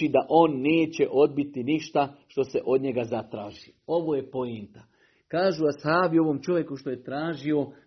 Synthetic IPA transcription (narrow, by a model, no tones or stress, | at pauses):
id̪aʔo̞ːnːe̞ːt͡ɕe̞ʔo̞d̪̚bit̪iniʃt̪aʃt̪o̞se̞ʔo̞d̪ɲe̞ɡazat̪ɾaːʒi | o̞ʋo̞ːje̞po̞jint̪a | kaːʒuashaːbio̞ʋo̞mt͡ʃo̞ʋje̞kuʃt̪o̞je̞t̪ɾaːʒio̞